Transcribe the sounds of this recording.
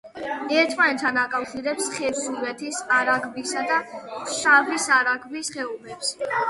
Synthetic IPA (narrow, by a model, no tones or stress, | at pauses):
ɛɾt̪ʰmanɛt̪ʰːanakʼafʃiɾɛpsχɛɾsuvɛt̪ʰisaɾaɡʰbisad̪aʃavisaɾaɡbisχɛumɛps